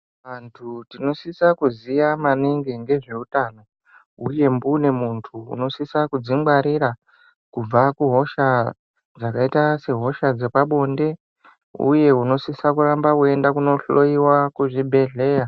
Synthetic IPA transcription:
ʋantʰutino̞sisakuzijamaniŋɡeŋɡe̞ʐe̞utano̞ | uje̞mbune̞muntʰṵːno̞sisakud͡ziŋbaɾiɾa | kub͡vakuɦo̞ʃa | d͡zakaitase̞ɦo̞ʃad͡ze̞paɓo̞nde̞ | ṵje̞uno̞sisakurambakue̞ndakuno̞ɬo̞iwakuʐibʱe̞ɮe̞ːja

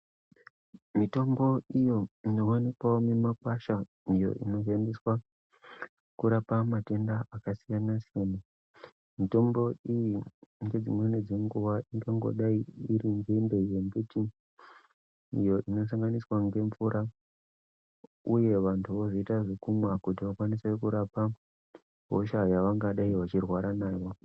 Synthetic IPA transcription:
mito̞mbo̞ijo̞ino̞wanikwawomemakwaʃa | ijo̞̰ʔino̞ʃandiswa | kuɾapamate̞ndaakasijanasijena | mito̞mbo̞ijiŋɡe̞d͡zimwe̞ned͡ze̞ŋɡuʋaʔiŋɡaŋɡo̰ɗaiiɾiŋɡende̞jeŋɡuti | ijo̞ʔino̞s̬aŋɡaniswaŋɡe̞ɱfuɾa | uje̞ʋantʰuʋo̞ʐoitaʐekumwakutiʋakwanise̞kuɾapa | ɦo̰ʃajaʋaŋɡaɗaiʋat͡ʃirwaɾanaːjo̞

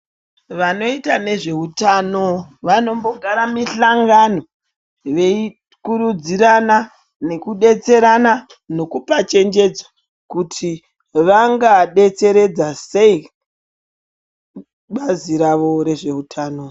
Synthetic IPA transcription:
ʋano̞itane̞ʐe̞utanoʋano̞mbo̞ɡʱaɾamiɬaŋɡano̞ | ʋe̞i | kuɾud͡ziɾana | ne̞kuɗe̞t͡se̞ɾana | no̞kupat͡ʃe̞nd͡ʒe̞d͡zḁ | kutʰi | ʋaŋɡaɗe̞t͡se̞ɾe̞d͡zase̞i | ɓaziɾaʋo̞ɾe̞ʐe̞utʰaːno

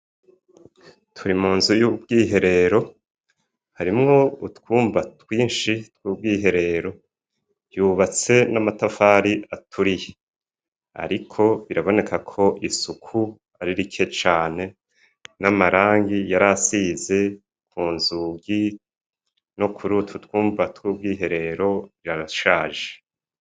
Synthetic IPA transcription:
tʰuɾimuːnzujub̚ɡiːɦe̞ɾe̞ɾo̞ | haɾimŋo̞utkwuːmvatwiːnʃitwuːb̚ɡiːɦe̞ɾe̞ɾo̞ | juːβat͡se̞namatafaɾiʔatʰuɾije | a̰ɾikʰo̞βiɾaβo̞ne̞kakʰo̞ʔisukʰu | aɾiɾikʰe̞t͡ʃaːne̞ | namaɾaːŋɡijaɾasize̞ | kuːnzuːɡi | no̞kʰuɾutʰutwuːmvatwuːb̚ɡiːɦe̞ɾe̞ɾo̞ɾiɾaɾaʃaːʒe̥

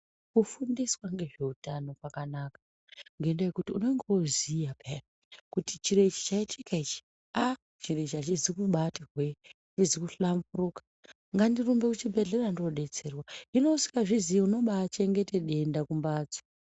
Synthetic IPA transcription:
kufundiswaŋɡe̞ʐe̞utano̞kwakanakḁ | ŋɡe̞ndejekutiune̞ŋɡeuziapʰera | kutit͡ʃiɾe̞t͡ʃi̥t͡ʃaitʰikait͡ʃi̥ | a | t͡ʃire̞t͡ʃiat͡ʃizikuɓatirwe | izikuɬambuɾukḁ | ŋɡandirumbe̞kut͡ʃibʱe̞ɮe̞randoɗe̞t͡se̞rwaino̞usi̥kaʐiziiuno̞ɓat͡ʃe̞ŋɡe̞te̞ɗe̞ndakumbaːd͡zo̥

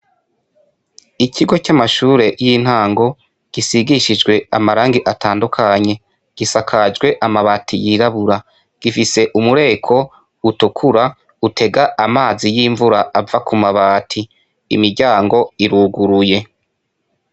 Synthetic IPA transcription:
icʰiɡo̞camaʃuːɾe̞jin̥haːŋɡo̞ | ɡ̥isiɡiʃid͡ʒɡwe̞a̰maɾaːŋɡiʔataːndukʰaɲe̞ | ɡ̥isakʰad͡ʒɡwe̞ʔamaβaːtʰijiɾaβuɾa | ɡ̥ifise̞ʔumuɾe̞ːkʰo̞ | utukʰuɾa | utʰe̞ɡaʔamaːzijiːɱvuɾaavakumaβaːtʰi | ḭmiɾɟaːŋɡo̞iɾuɡuɾuje̞

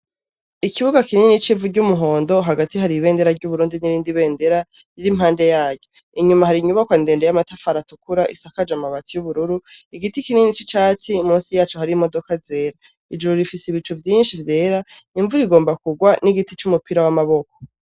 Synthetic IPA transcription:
ikiβuɡakinenit͡ʃivuɟumuɦo̞ːndo̞ɦaɡatiɦaɾiβe̞ːnde̞ɾaɾɟuβuɾuːndiniɾiːndiβe̞ːnde̞ɾa | ɾiɾimhaːnde̞jaːɟɟo | iɲumahaɾiɲuβakwande̞ːndejamatafaɾatukuɾaʔisakad͡ʒamaβatijuβuɾuɾuiɡitikinenit͡ʃit͡ʃaːt͡simuːsijaːt͡ʃuhaɾimo̞do̞kaze̞ːɾa | id͡ʒuɾuɾifisiβit͡ʃuvjiːnʃivje̞ːɾa | iɱvuɾiɡo̞ːmbakuɡwaniɡitit͡ʃumupiɾawamaβo̞ko̥

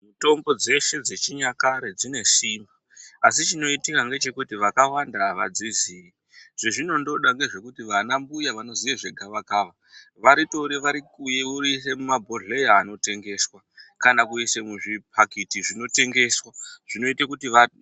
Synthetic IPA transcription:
muto̞mbo̞d͡ze̞ʃe̞d͡ze̞t͡ʃiɲakaɾed͡zine̞simbaː | s̬it͡ʃino̞itikaŋɡe̞t͡ʃe̞kutiʋakawandaʋa̰d͡zizii | ʐ̥eʐino̞ndo̞ɗaŋɡe̞ʐe̞kutiʋanambujaʋano̞zijeʐeɡʱaʋakaːʋa | ʋaɾito̞ɾiʋaɾikujeuɾis̬emumabʱo̞ɮe̞jaːno̞te̞ŋɡe̞swakanakuise̞muʐip̚ʰakitiʐino̞te̞ŋɡe̞swaʐ̥ino̞itakutiʋa

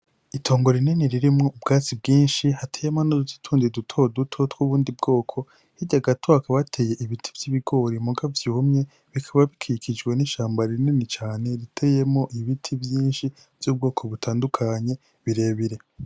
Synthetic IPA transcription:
itʰo̞ːŋɡo̞ɾininiɾiɾimŋo̞ub̚ɡaːt͡sibɡiːnʃihatʰeːjemonoduu̥tʰuːndidutʰo̞dutʰo̞twuβuːndib̚ɡo̞ːkʰo̞ | hiɟaɡatʰoakaβatʰe̞ːje̞ʔiβitʰi̥vjiβiɡo̞ɾimuɡavjumɲe̞ | βikʰaβaβikʰikʰid͡ʒɡwe̞niʃaːmbaɾininit͡ʃaːne̞ɾitʰejemŋo̞ʔiβitʰivjiːnʃi | v̥juːb̚ɡo̞ːkʰo̞βutʰaːndukʰaɲe̞ | βiɾe̞ːβiɾe̞

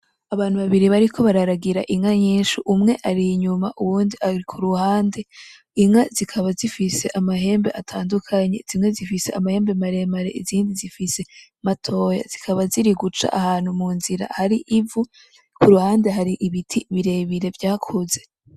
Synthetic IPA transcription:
aβaːn̥uβaβiɾiβaɾikʰo̞βaɾaɾaɡiɾaʔiŋaɲiːnʃuʔumŋe̞ʔaɾiɲumaʔuβuːndiaikʰuɾuhaːnde̞ | iŋazikʰaβazifise̞ʔamaɦe̞ːmbe̞ʔatʰaːndukʰaɲez̥imŋe̞zifise̞amahe̞ːmbe̞maɾe̞maɾe̞̰ʔiziːndizifise̞ | matʰo̞ja̰z̥ikʰaβaziɾiɡut͡ʃa̰ʔahaːn̥humuːnziɾa̰haɾiʔivu | kuɾuhaːnde̞ɦaɾiʔiβitʰiβiɾe̞βiɾe̞vjaːkʰoze̞

